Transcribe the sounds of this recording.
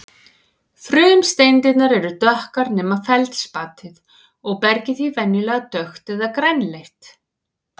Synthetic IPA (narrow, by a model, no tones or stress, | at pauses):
fɾʏːmst̪ejnt̪ɪt̪naɾɛɾʏt̪œhkaɾnɛːmafɛlt̪spat̪ɪð | ɔɣpɛɾcɪθvivɛnːjɪlɛːɣat̪œxt̪ɛðakɾɛjnlejht̪